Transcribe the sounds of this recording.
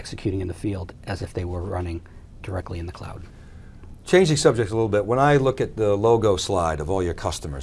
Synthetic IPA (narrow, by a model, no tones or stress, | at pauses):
ɛksɨkʰj̥ʉɾɪ̃ŋɨ̃nðɨfilˠdʔɨzɨfðeɪwə˞ɹʌ̰nɪ̃ŋ | d̥ə˞ɛk̚tˡliɨ̃nðɨkʰl̥a̰ʊd̥ | t͡ʃʰẽɪ̃nd͡ʒɨ̃ŋsʌb̚d͡ʒɨk̚səlɪɾl̩ˠbɪt̚wə̃naɪlʊkɨt̪̚ðəloʊɡoʊslaɪɾʌvɔlˠjə˞kʰʌstəmə̰˞